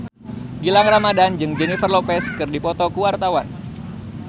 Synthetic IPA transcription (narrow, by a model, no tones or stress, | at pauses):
ɡilaŋramadand͡ʒɨŋd͡ʒɛnifərlopɛskɨrdipɔt̪ɔkuwart̪awan